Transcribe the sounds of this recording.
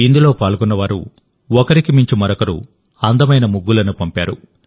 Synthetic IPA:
ind̪ulo̞ːpaːlɡunːɐʋaːɾṵ | ɔkɐɾikimiɲt͡ʃimɐɾɔkɐɾṵ | ɐnd̪ɐmɐjnɐmuɡːulɐnupɐmpaːɾṵ

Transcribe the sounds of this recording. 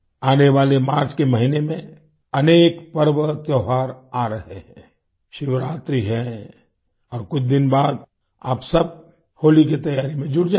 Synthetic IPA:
aːneʋaːlemaːɾt͡ʃkemɐɦinemẽ | ɐneːkpɐɾʋət̪jɐʊɦaːɾaːɾɐɦeɦɛ̃ː | ʃɪʋɾaːt̪ɾiɦɛ | ɔːɾkʊt͡ʃʰd̪ɪnbaːd̪ | a̰ːpsɐb̚ | hoːlikit̪ɐjaːɾimẽd͡ʒʊɽd͡ʒa

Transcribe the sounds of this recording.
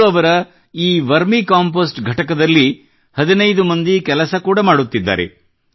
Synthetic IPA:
ɐʋɐɾɐ | iːʋɐɾmikaːmpoːsʈɡʱɐʈɐkɐd̪ɐlːi | hɐd̪inɐjd̪umɐnd̪ikɛlɐsɐkuːɽɐmaːɽut̪ːid̪ːa̰ːɾḛ

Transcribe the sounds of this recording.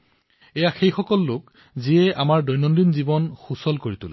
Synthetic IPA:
ɛjaxejxɔkɔlːʊk | ziɛʔamaɹdɔjnɔndinzibɔnxusɔlkoɹitulɛ

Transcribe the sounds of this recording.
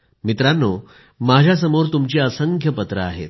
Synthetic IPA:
mit̪ɾanːo | mad͡ʑʱjas̬əmoɾt̪umt͡ɕiːəsəŋkjəpət̪ɾəa̰ɦḛt̪

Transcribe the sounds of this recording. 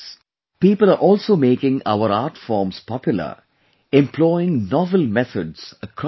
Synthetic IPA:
piːpəlaːɾʔɔːlsoːmeːkɪ̃ŋa̰ʊəɾaːɾʈfɔːmspɔpjʊlə̰ | ɛ̃mpʰlɔɪɪ̃ŋnɔːʋəlmɛt̪ʰəɖsəkʰ

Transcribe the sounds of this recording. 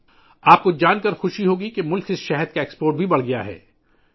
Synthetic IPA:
aːp̚kod͡ʒaːnkɐɾxʊʃiɦoːɡikemʊlkɪsʃɛɦɛd̪̚kaeːkspoːɾʈ̚bʱibɐɽɡɐja̰ɦɛ̰ː

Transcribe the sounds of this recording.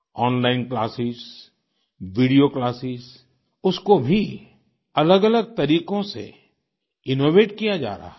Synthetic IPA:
ɔːnlaːɪnklaːsɪz | ʋiːɖijoklaːsɪz | ʊskobʱi | ɐləɡɐləɡ̚t̪ɐɾiːqõsḛ | ɪnoːʋeːʈkijad͡ʒa̰ːɾa̰ː

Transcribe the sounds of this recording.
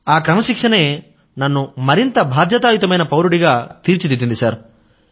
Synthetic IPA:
aːkɾɐmɐʃikʂɐne̞ː | nɐnːumɐɾint̪ɐbʱaːd̪jɐt̪aːjut̪ɐmɐjnɐpɐwɾuɽiɡaːt̪iːɾt͡ʃit̪it̪ːind̪isaːɾ

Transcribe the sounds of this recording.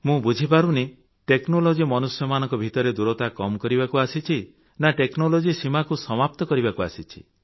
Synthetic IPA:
mũbud͡ʒʱip̬aɾuni | ʈeknolod͡ʒimɔnusjɔmanɔ̃ŋkɔbʱit̪ɔɾed̪uɾɔt̪akɔmɔkɔɾibakuasit͡ʃʰi | naʈeknolod͡ʒisimakusɔmap̚t̪ɔkɔɾiβakuasit͡ʃʰi̥̰

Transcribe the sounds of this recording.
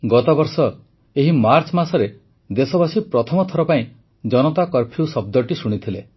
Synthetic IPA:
ɡɔt̪ɔbɔɾsɔ | eɦimaɾt͡ʃmasɔɾe | d̪esɔbasipɾɔt̪ʰɔmɔt̪ʰɔɾɔpaĩ | d͡ʒɔnɔt̪akɔɾpʰiusɔb̚d̪ɔʈisuɽ̃it̪ʰile

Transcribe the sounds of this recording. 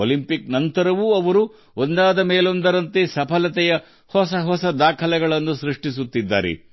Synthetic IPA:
olimpiknɐnt̪ɐɾɐʋuɐʋɐɾu | ond̪aːd̪ɐmeːlo̞nd̪ɐɾɐnt̪esɐpʰɐlɐt̪ɛjɐ | hɔsɐɦɔsɐd̪aːkʰɐlɛɡɐɭɐnːusɾiʂʈisut̪ːid̪ːa̰ːɾḛ

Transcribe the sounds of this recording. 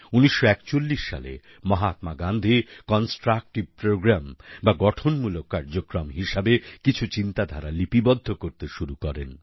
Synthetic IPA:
uniʃːoɛkt͡ɕolːiʃːa̰lḛ | mɔɦat̪maɡand̪ʱikɔnsʈɾak̚ʈib̚pɾoɡɾambaɡɔʈʰonmulokːaɾd͡ʑokɾɔmɦiʃabekit͡ɕʰut͡ɕint̪ad̪ʱaɾalipibɔd̪ʱːokoɾt̪eʃuɾukɔɾḛn

